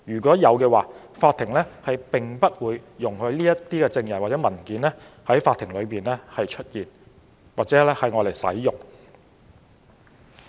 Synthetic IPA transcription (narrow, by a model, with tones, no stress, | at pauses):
jyː˨˩kʷɔː˨˥jɐ˨˧wkɛː˧waː˨ | faː˧t̪ʰːɪ˨˩ŋlɛː˥hɐ˨jpɪ˨ŋpɐ˥t̚wuː˨˧jːʊ˨˩ŋhɵ˧ɥliː˥jɐ˥tt̪iː˥kɛː˧t͡sɪ˧ŋjɐ˨˩nwaː˨tt͡sɛ˨˥mɐ˨˩nkiː˨˥nlɛ˥ | hɐ˨˥jfaː˧t̪ʰɪ˨˩ŋlɵ˨˧ɥpiː˨nɛ˥hɐ˨jt͡ʃʰɵ˥t̚jiː˨˩n | waː˨t̚t͡sɛː˨˥lɛ˥hɐ˨jŋɔː˨˧le˨˩jsɐ̰˨˥jjʊ˨ŋ